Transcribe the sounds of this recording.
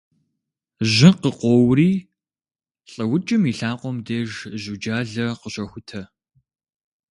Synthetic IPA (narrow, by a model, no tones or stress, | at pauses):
ʑɪqəqʷɔwriː | ɬʼɐwʊt͡ʃʼɪmiːɬaːqʷɔmdeːʒʑud͡ʒaːɮɐqəɕɐxʷʊtʰɐ